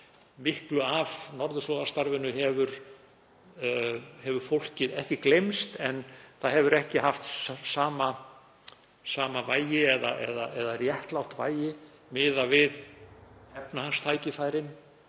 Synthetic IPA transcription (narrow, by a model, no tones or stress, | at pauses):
mɪhklʏavnɔɾðʏslɔːðaɾ̥st̪aɾvɪnʏɦɛvʏɾ | hɛvʏɾ̥fowl̥cɪðɛht̪ɪklejmst̪ɛnθaðhɛvʏɾɛhcɪhaft̪saːma | saːmavaːjjɪɛða̰ʔɛ̰ðaʔɛðarjɛht̪lawht̪va̰ːjjɪ | mɪːðavɪðhɛpnahanst̪ʰaːjcɪfaːjɾɪn